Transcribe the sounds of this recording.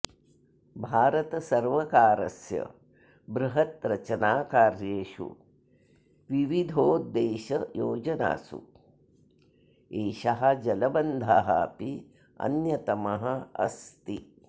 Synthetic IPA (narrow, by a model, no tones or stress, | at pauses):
bʱaːɾɐt̪ɐsɐɾʋɐkaːɾɐ̰sjɐ̰ | bɾuɦɐt̪ɾɐt͡ʃɐnaːkaːɾjeːʂṵ | ʋiʋid̪ʱoːd̪eːʃɐjoːd͡ʒɐna̰ːsṵ | eːʃɐɦɐd͡ʒɐlɐbɐnd̪ʱaɦa̰ːpi | ɐ̰njɐt̪ɐmɐɦɐɐ̰st̪i